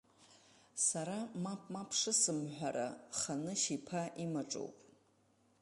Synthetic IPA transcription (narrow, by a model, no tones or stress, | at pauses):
saɾamapʰʼmapʰʂɨsɨmħʷᶣaɾa̰χanɨʃipʰaʔimaʈ͡ʂʼo̰wpʼ